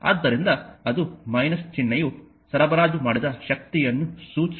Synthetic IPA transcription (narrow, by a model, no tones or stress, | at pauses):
a̰ːd̪ːɐɾind̪ɐɐd̪umɐjnɐst͡ʃinːɐju | sɐɾɐbɐɾaːd͡ʒumaːɽid̪ɐʃɐk̚t̪ijɐnːusuːt͡ʃ